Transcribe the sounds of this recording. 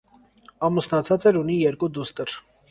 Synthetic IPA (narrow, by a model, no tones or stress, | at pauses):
ɑmusnɑt͡sʰɑt͡sɛɾunijɛɾkud̪ust̪əɾ